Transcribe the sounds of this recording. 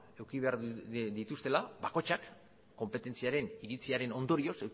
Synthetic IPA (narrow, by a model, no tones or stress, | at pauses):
e̞wkiβe̞aɾd̪it̪ust̪e̞laβako̞t͡ʃakː | o̞mpe̞t̪e̞nt͡siaɾe̞niɾit͡siaɾe̞no̞nd̪o̞ɾio̞se